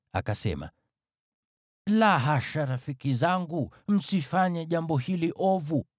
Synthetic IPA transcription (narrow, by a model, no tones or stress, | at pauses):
a̰kasɛ̰ma̰ | laɦaʃaɾafikizaŋɡum̩sifaɲaʄambɔɦiliʔɔvu